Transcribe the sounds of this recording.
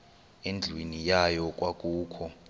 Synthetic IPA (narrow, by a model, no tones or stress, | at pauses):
end͡ɮʱwenijajɔk̬ʼwak̬ʼuːkʰɔ